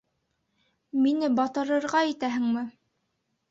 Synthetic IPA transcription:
minɘbɑt̪ɤ̆ɾɤ̆ɾʁɑit̪æɦɘ̆ŋmɘ

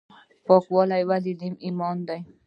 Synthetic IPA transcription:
pɔkuɔlaiwalilimimɔnd̪aj

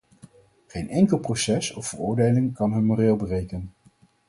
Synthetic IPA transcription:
χejnɛŋkəlˠprosɛsɔfərʊːɹdejlɪŋkɑnɦɵnmoreːlˠbərejkən

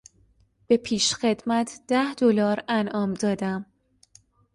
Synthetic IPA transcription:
b̥e̞pʰiːʃxe̞d̪mæt̪ʰd̪̥æhd̪̥olɒːɾænʔɒːmd̪ɒːd̪æm

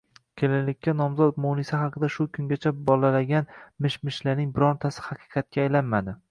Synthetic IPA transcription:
kʲʰelalɪkʲːanɒmzɒt̪monɪsɪɦɑqʰɨd̪aʃʊkʲʰʊŋɡʲat͡ʃʰabɒlalaɡʲanmɪʃmɪʃlaɾnɪŋbɪɾɒt̪ʰasɪ̥hɑqʰɨ̥qʰɑt̪̚kʲaːjlanmad̪ɪ

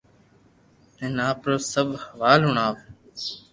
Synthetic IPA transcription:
ẽːnaːpɾoːsəbʱhəʋaːlɦʊɳaːʋ

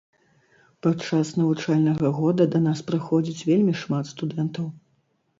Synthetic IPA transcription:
pɐt͡ʂasnɐvut͡ʂalʲnɐɣɐɣɔd̪ɐd̪ɐnaspɾaxɔd͡zʲit͡sʲvʲelʲmʲiʂmat̪st̪ud̪ɛnt̪ɐw

